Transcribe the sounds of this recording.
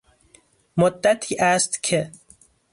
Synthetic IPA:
mod̪ːat̪ʰiːʔast̪kʰe

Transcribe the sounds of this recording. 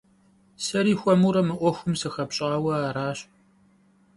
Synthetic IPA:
sɐɾiːxʷɔmuɾɐmɨʔʷɔxʷʊmsɨxɐpɕʼaːwɐaːɾaːɕ

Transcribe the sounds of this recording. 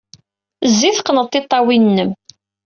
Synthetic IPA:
zːiθqnəðt̪ːɪt̪ˤːɑwinːəm

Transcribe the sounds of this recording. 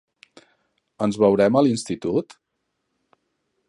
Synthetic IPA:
ənzβəwɾɛməlinst̪it̪ut̪

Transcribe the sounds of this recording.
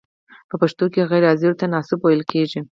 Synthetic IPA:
pəpaʂt̪okeɣajɾɑziɾt̪anɑsɪbojəlkʰeʒi

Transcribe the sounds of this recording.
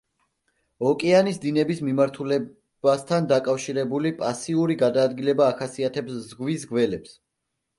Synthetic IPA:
ɔkʼɛanisd̪inɛbismimaɾt̪ʰulɛ | bast̪ʰand̪akʼafʃiɾɛbulipʼasiuɾiɡad̪aːd̪ɡilɛbaːχasiat̪ʰɛpszɡwisɡwɛlɛps

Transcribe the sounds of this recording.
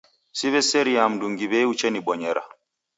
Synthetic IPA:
siβɛseɾiamduŋɡiβɛut͡ʃɛnibɔɲɛɾa̰

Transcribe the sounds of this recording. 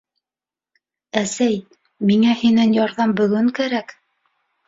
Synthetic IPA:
æsæj | miŋæhinænjɑɾðɑmbɵ̆ɡɵŋkæɾæk

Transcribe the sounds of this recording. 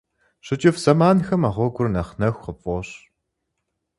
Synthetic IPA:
ɕɨt͡ʃʼɪfz̥ɐmaːnxɐmaʁʷɔɡʷʊrnɐχnɐxʷqəpʼɔɕ

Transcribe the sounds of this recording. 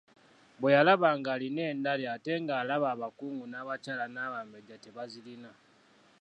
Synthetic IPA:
βwejalaβaːŋɡaːline̞ːndaleate̞ŋɡaːlaβaːβakuːŋɡunaːβat͡ʃaːlanaːβambeɟateβazilina

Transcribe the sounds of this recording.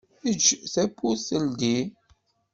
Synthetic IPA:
əd͡ʒːθæpːuθəld̪i

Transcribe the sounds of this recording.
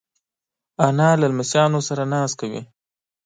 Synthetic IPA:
anɑlalmɪsjɑnosaɾanɑːskawḭ

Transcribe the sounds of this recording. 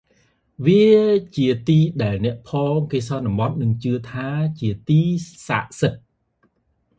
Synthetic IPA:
ʋiət͡ɕiət̪iːɗaɛlnɛ̆əʔpʰɔːŋkeːsɑnːɑ̆mɑt̪̚nɨŋt͡ɕɨət̪ʰaːt͡ɕiət̪iːsa̰ːʔsɨt̪̚

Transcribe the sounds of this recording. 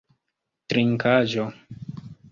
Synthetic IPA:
tɾiŋkaʒo

